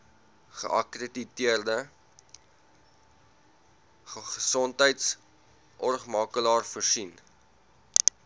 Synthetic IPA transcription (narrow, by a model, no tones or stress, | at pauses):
χə̰ʔɐ̰kreditiərdə | χəsɔntɦəjts | ʔɔrχmɑːkəlɑːrfərsin